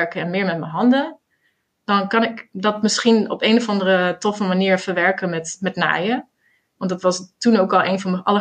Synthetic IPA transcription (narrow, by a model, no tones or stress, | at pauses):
ɹkəɛnmɪːɹmɛt̚məɦɑndə | d̥ɑnkɑnɪkdɑtmɪsχinɔ̰peːnɔvɑndərətɔfəmaniːɹvəɹʋɛɹkənmɛtmɛtna̰ːjə | ʋɑndɑtʋɑstunoːkɑlˠʔeːnvɑnəʔɑ̰lə